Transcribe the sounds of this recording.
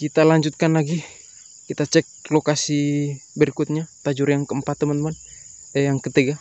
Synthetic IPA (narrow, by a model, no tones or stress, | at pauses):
kit̪alaɲd͡ʒut̪̚kanlaɡi | kit̪at͡ʃɛk̚lokasibəɾikut̪̚ɲat̪ad͡ʒuɾjaŋkəəmpat̪̚ːəmant̪əman | jaŋkət̪iɡa